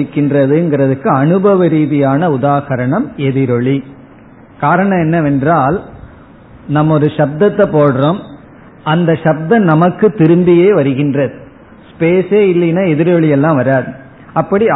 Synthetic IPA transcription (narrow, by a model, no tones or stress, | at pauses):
ɪkːɪndrɐðɯɛnŋɡɪɾɐðɯkːɯɐnɯbɐʋɐɾiːðɪjaːnɐʊðaːɣɐɾɐɳɐmɛðɪɾɔɭi | kaːɾɐɳɐ̃ɛnːɐɛndraːl | nɐmːɔɾɯʃɐb̚d̪ɐt̪ːɐpːoːɽɯroːm | ɐnd̪ɐʃɐb̚d̪ɐnɐmɐkːɯt̪ːɪɾɯmbɪjeːʋɐɾɯɣɪndrɐðɯ | speːseːɪlːɐnaːɛðɪɾɔɭɪjɛlːãːʋɐɾaːðɯ | ɐpːɐɽi